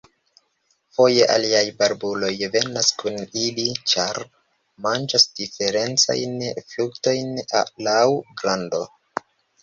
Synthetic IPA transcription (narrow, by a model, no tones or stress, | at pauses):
fo̞je̞ʔa̰liajbaɾbulo̞jve̞naskunilit͡ʃaɾ | mand͡ʒasd̥ife̞ɾe̞nt͡sa̰jnflukto̞jnlawɡɾando̞̰